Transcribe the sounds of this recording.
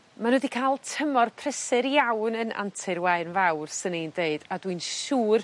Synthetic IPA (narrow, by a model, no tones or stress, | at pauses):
manodikʰaːlˠtʰəmɔrpʰr̥ɛsɪɾjawnənʔa̰ntʰɪrwaɨnvawrsənindeɨd̥adwɨnʃuːr